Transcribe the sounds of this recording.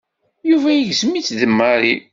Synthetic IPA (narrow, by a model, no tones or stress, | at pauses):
juvæjəʝzəmit͡sːðəmːaɾi